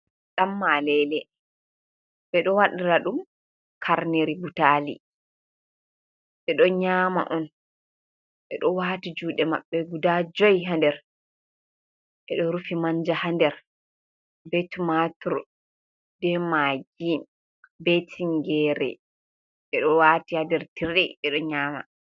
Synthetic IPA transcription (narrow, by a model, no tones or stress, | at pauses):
ɗamːalɛlɛ | ɓɛɗɔwaɗiɾaɗum | kʰaɾneɾibutaːlḭ | ɓɛɗɔɲaːma̰ʔɔn | ɓɛɗɔwatid͡ʒuːɗɛma̰ɓːɛɡudad͡ʒɔjɦandɛɾ | ɓɛɗɔɾufimaɲd͡ʒahandɛɾ | bɛtumatuɾ | dɛmaɡin | bɛtʰiŋɡɛɾɛ̰ | ɓɛɗɔwatihandɛɾtiɾɛɓɛɗɔɲaːma̰